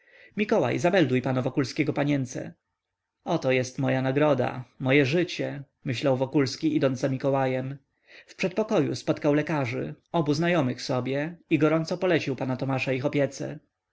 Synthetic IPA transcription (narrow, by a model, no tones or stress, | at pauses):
mʲikɔwa̰jzabɛld̪ujpanavɔkulskʲɛɡɔpaɲɛnt̪sɛ̰ | ɔt̪ɔjɛst̪mɔjanaɡɾɔd̪a̰mɔjɛʐɘt͡ɕɛ | mɘɕlawvɔkulskʲiid̪ɔnd̪zamʲikɔwajɛm | fpʂɛt̪̚pɔkɔjṵspɔt̪kawlɛkaʐɘ̰ | ɔbuznajɔmɘxsɔbʲjɛiɡɔɾɔnt̪sɔpɔlɛt͡ɕiwpanat̪ɔmaʂaixɔpʲjɛt̪sɛ̰